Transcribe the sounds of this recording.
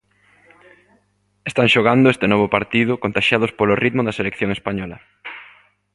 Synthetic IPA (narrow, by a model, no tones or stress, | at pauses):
est̪aŋʃoɣ̞and̪ʊest̪enɔβ̞opaɾt̪iðʊkont̪aʃjaðʊspolʊrit̪mʊðɐselekθjoŋespaɲɔlɐ